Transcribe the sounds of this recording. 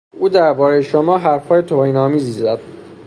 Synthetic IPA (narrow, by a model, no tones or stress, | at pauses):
uːd̪æɾbɒːɾejeʃomɒːɦæɾfhɒːje̞t̪ʰohiːnɒːmiːziːzæd̪̥